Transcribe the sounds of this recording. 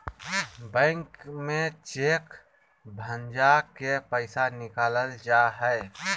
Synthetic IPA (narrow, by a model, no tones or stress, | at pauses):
bɛ̃ɪŋkmet͡ʃek | bʱənd͡ʒakepəɪsanɪkaːləld͡ʒaɦɛɪ